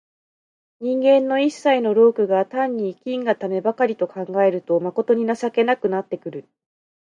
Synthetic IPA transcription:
ɲ̟ĩŋɡẽ̞nːo̞isːaino̞ɾo̞ːkɯ̟ɡat̪ãɲ̟ːiːkʲĩŋɡat̪ame̞bakaɾʲit̪o̞kãŋɡae̞ɾɯ̟t̪o̞mako̞t̪o̞ɲ̟inasake̞nakɯ̟nat̪ːe̞kɯ̟ɾɯ̟

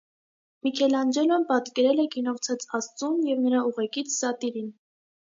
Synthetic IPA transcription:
mikʰɛlɑnd͡ʒɛlɔmpɑt̪kɛɾɛlɛkinɔʁt͡sʰɑt͡sɑst͡sumjɛvnəɾɑuʁɛkit͡sʰsɑt̪iɾin

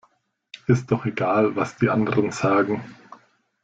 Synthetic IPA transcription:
ʔɪst̚d̥ɔχeɡaːlvasd̥iːʔandəʁənz̥aːɡŋ̩

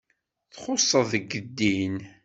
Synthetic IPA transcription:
θχʊsˤːəðəɡːəd̪ːin

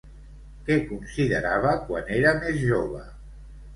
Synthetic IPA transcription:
kɛkunsiðəɾaβ̞əkwaneɾəmezʒoβə

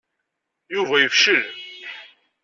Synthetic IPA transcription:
juvæjəfʃəlm

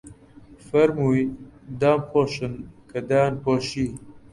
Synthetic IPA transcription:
fɐɾmujd̪aːmpʰoːɕənkɐd̪aːnpoːɕi

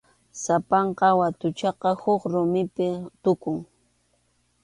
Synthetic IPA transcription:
sapɑɴqɑwat̪ʊt͡ʃɑqɑhʊχɾʊmɪpɪt̪ʊkʊŋ

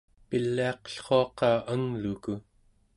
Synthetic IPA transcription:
pilːiɑqə̥ɬχo̞ɑqɑːʔəŋluku

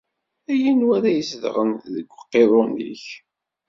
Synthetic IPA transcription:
æjinwæɾæjəsðʁənðəɡʷːqːeðˤʊnḭç

